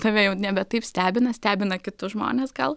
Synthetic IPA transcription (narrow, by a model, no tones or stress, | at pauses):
t̪ɐʋʲejɛʊnʲɛbʲɛt̪ɐɪpsʲt̪ʲæːbʲɪnɐsʲt̪ʲæːbʲɪnɐkʲɪt̪ʊʒmo̰ːnʲeːsɡɐlˠ